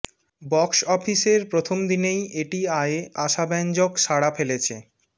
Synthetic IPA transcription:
bɔksɔfiseɾpɾot̪ʰomd̪inejeʈiaeeʔaʃabɛnd͡ʑokʃaɽafelet͡ɕʰḛ

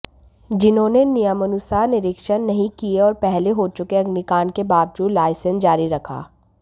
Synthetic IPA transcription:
d͡ʒɪnɦõːnenijəmənʊsanɪɾɪkʃənːɐɦĩkieɔːɾpɛɦleɦoːt͡ʃʊkeɐɡnikaːnkebaːb̚d͡ʒuːlaːɪsənd͡ʒaːɾiɾɐkʰa̰ː

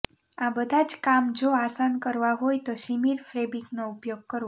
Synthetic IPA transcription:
abəd̪ʱad͡ʒkamd͡ʒoasankəɾʋaɦojt̪oʃimiɾfɾebiknoupjoɡ̚kəɾ

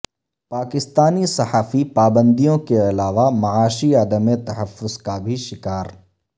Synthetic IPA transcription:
paːkɪst̪aːnisɐhaːfipaːbə̃nd̪ijõkeɐlaːʋamɐaːʃiad̪əmet̪ɐɦəfːʊzkabʱiʃɪkaːɾ

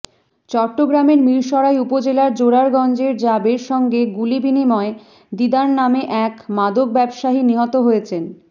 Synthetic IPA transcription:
t͡ɕɔɾʈːoɡɾameɾmiɾʃɔɾajupod͡ʑelaɾd͡ʑoɾaɾɡɔnd͡ʑeɾd͡ʑabeɾʃɔŋɡeɡulibinimɔe | d̪id̪aɾnameʔɛkmad̪ok̚bɛbʃaɦiniɦɔt̪oɦojet͡ɕʰen

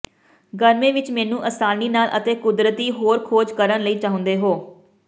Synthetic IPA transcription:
ɡəɾmẽːʋɪt͡ʃmɛːnũːʔəsaːniːnaːlʔət̪eːkʊd̪ɾət̪iːɦoːɾkʰoːd͡ʒkəɾənləiːt͡ʃaːɦʊ̃nd̪eːɦoː

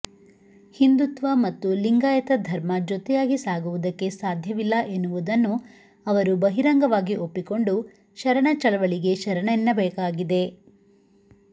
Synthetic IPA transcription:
hind̪ut̪ʋɐmɐt̪ːuliŋɡaːjɐt̪ɐd̪ʱɐɾmɐd͡ʒɔt̪ɛjaːɡisaːɡuʋud̪ɐkːe̞saːd̪ʱjɐʋilːɐʔe̞nːuʋud̪ɐnːu | ɐʋɐɾubɐɦiɾɐŋɡɐʋaːɡiʔopːiko̞ɳɖu | ʃɐɾɐɳɐt͡ʃɐɭɐʋɐɭiɡe̞ʃɐɾɐɳɐinːɐbɐjɐkaːɡid̪e̞

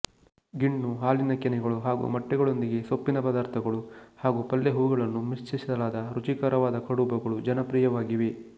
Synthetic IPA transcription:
ɡiɳnuɦaːlinɐkɛnɛɡɐɭuɦaːɡṵmɐʈːɛɡɐɭo̞nd̪iɡe̞sopːinɐpɐd̪aːɾt̪ʰɐɡɐɭuhaːɡupɐlːeɦuːɡɐɭɐnːumist͡ʃisid̪ɐlaːd̪ɐɾut͡ʃikaːɾɐʋaːd̪ɐkʰɐɽubɐɡɐɭud͡ʒɐnɐpɾiːjɐʋaːɡiʋe̞

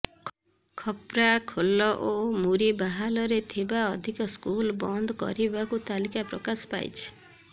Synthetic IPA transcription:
kʰɔpɾakʰolɔʔomuɾibaɦalɔɾet̪ʰibaɔd̪ʱikɔskulbɔnd̪ɔkɔ̰ɾibakut̪alikapɾɔkasɔ̥pa̰jt͡ʃʰi̥

